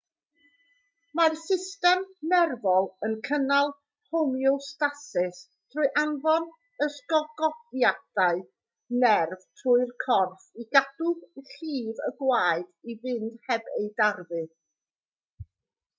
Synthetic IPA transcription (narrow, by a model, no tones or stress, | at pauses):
marsɪstɛmnɛrvɔlˠənkʰənalˠ | homjʊlˠstasɪs | tʰrʊɨʔanvɔn | əsɡɔɡɔdjad̥aɨ | nɛrv̥tʰʊɨrkʰɔrθiɡadʊɬiːvəɡwaːɨdivɨnd̥hɛbejdarvɨ